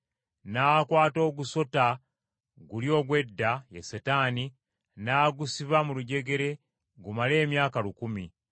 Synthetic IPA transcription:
naːkwaːto̞ːɡuso̞ta | ɡuljo̞ːɡwe̞dːajḛsetaːni | naːɡusiβamuluɟe̞ɡe̞ɾe̞ | ɡumale̞ːmjaːkalukumi

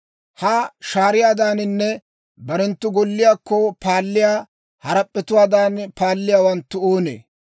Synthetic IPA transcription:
haːʃaːɾɪjaːd̪aːnɪnːɛ | bɐɾɛnt̪ːʊɡɔlːɪjaːkːɔpaːlːɪjaː | hɐɾɐpʼːɛt̪ʊwaːd̪aːnpaːlːɪjaːwɐnt̪ːʊoːnḛː

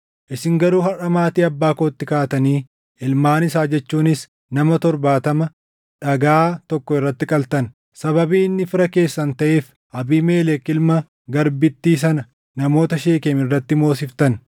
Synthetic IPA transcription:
ʔɪsɪŋɡɐɾuːhɐrɐmaːt̪iːɐbːaːkoːt̪ːɪkaːt̪ɐniː | ʔɪlmaːnɪsaːd͡ʒɛt͡ʃːuːnɪs | nɐmɐt̪ɔɾbaːt̪ɐmɐ | ᶑɐɡaːt̪ɔkːɔɪrːɐt̪ːɪkʼɐlt̪ɐn | sɐβɐbiːnːɪfɪɾɐke̞ːsːɐnt̪ɐʔe̞ːf | ʔɐbiːme̞ːlɛkːɪlmɐ | ɡɐɾbɪt̪ːiːsɐnɐ | nɐmo̞ːt̪ɐʃeːkeːmɪrːɐt̪ːɪmo̞ːsɪft̪ɐn

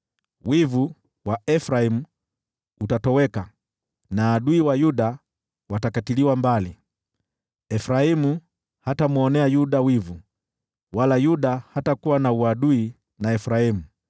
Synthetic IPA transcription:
wivu | waɛfɾaimu | utatɔwɛka | naːɗuiwajuɗa | watakatiliwambali | ɛfɾaimu | hatamuɔnɛajuɗawivu | walajuɗahatakuwanauaɗui | naɛfɾaimu

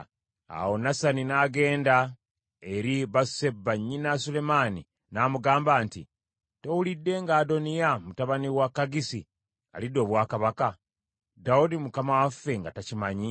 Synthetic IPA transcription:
a̰wo̞nasaninaːɡe̞ːnda | e̞ɾiβasse̞baɲːinasule̞mani | naːmuɡaːmbaːntḭ | to̞wulidːe̞ŋɡaːdo̞nijamutaβaniwakːaɡisi | a̰lido̞ːβwaːkaβaka | daudimukamawafːe̞ŋɡatacimaɲi

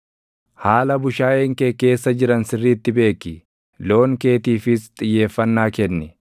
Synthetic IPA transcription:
haːlɐbʊʃaːʔeːŋkeːke̞ːsːɐd͡ʒɪɾɐnsɪrːiːt̪ːɪbe̞ːkːɪ | lo̞ːŋke̞ːt̪iːfɪst̪ʼɪjːe̞ːfːɐnːaːkɛnːɛ

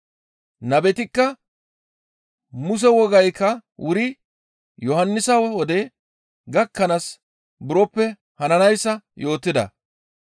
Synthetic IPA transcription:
nɐbɛt̪ɪkːɐ | mʊs̬ɛwɔɡɐjkːɐwʊɾɪ | jɔhɐnːɪsɐwwɔd̪ɛ | ɡɐkːɐnɐs | bʊɾɔpːɛ | hɐnɐnɐjsːɐjo̞ːt̪ːɪd̪ɐ̰

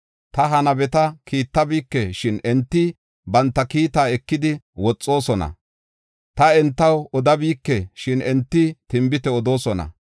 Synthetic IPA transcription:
t̪ɐɦɐnɐbɛt̪ɐkʰiːt̪ːɐbiːkːɛʃɪnɛnt̪ːɪ | bɐnt̪ːɐkiːt̪aːɛkːɪd̪ɪ | wɔt͡sʼːo̞ːsɔnɐ̰ | t̪ɐɛnt̪ːɐwɔd̪ɐbiːkːɛʃɪnɛnt̪ːɪt̪ɪmbɪt̪ɛɔd̪o̞ːsɔnɐ̰

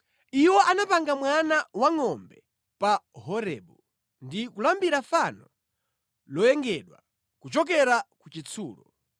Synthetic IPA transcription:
iwɔʔanapaŋɡamwanawaŋɔmbɛ | paɦɔɾɛɓu | ndikulambiɾafanɔ | lɔjɛŋɡɛɗwa | kut͡ʃɔk̬ɛɾakut͡ʃit͡sʰuːlɔ

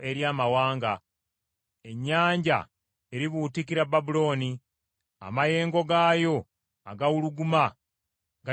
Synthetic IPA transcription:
e̞ɾjaːmawaːŋɡa | e̞ɲːaːɲɟa̰ | e̞ɾiβuːtikiɾababulo̞ːni | a̰maje̞ːŋɡo̞ɡaːjo̞ | a̰ɡawuluɡuma | ɡa

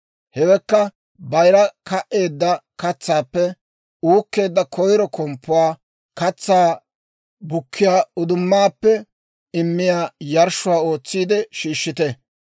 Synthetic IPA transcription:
hɛwɛkːɐ | bɐjɾɐkɐʔe̞ːd̪ːɐkɐt͡sːaːpːɛ | uːkːe̞ːd̪ːɐkʰɔjɾɔkɔmpːʊwaː | kɐt͡sːaː | bʊkʰːɪjaːʊd̪ʊmːaːpːɛ | ɪmːɪjaːjɐɾʃʊwaːo̞ːt͡sːiːd̪ɛʃiːʃːɪt̪ɛ

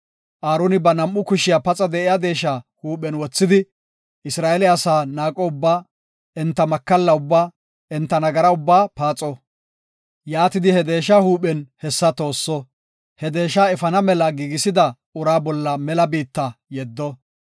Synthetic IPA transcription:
ʔaːɾonɪbɐnɐmʔːʊkʊʃɪjapɐt͡sʼɐd̪ɛʔɪjaːd̪e̞ːʃaːhuːpɛnwɔt͡sːɪd̪ɪ | ɪsɾaːɛlɪɐsaːnaːkʼoʊbːaː | ɛnt̪ːɐmɐkːɐlːɐʊbːaː | ɛnt̪ːɐnɐɡɐɾɐʊbːaːpaːt͡sʼɔ | jaːt̪ɪd̪ɪhɛd̪e̞ːʃahuːpɛnhɛsːɐt̪o̞ːsːɔ | hɛd̪e̞ːʃaːɛfɐnɐmɛlɐɡiːɡɪsɪd̪ɐ | ʊɾaːbɔlːɐmɛlɐbiːt̪ːɐjɛd̪ːɔ

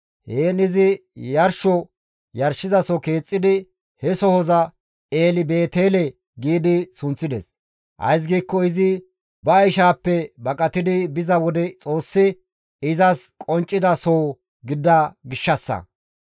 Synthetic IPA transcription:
heːnɪzɪjɐɾʃɔ | jɐɾʃɪzɐsɔke̞ːt͡sʼːɪd̪ɪ | hɛsɔhɔzɐ | eːlɪbe̞ːt̪eːlɛ | ɡiːd̪ɪsʊnt͡sːɪd̪ɛ̰s | ʔɐ̰js̬ɡiːkːɔɪzɪ | bɐːjʃaːpːɛbɐkʼɐt̪ɪd̪ɪbɪzɐwɔd̪ɛt͡sʼo̞ːsːɪ | ɪzɐskʼɔnt͡ʃʼːɪd̪ɐsoː | ɡɪd̪ːɐɡɪʃːɐsːɐ̰

